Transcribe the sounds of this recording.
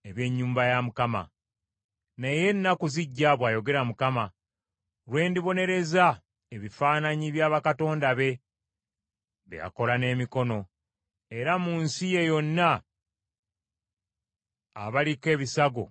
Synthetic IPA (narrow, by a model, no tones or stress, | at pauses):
eβje̞ɲːuːmbajamukama̰ | neje̞nːakuziɟːaβwaːjo̞ɡe̞ɾamukama | ɾwe̞ːndiβo̞ne̞ɾe̞za | eβifaːnaɲiβjaːβakato̞ːndaβe̞ | βḛja̰ko̞lane̞ːmiko̞no̞ | e̞ɾamuːnsije̞jo̞nːa | βalike̞ːβisaɡo̞̰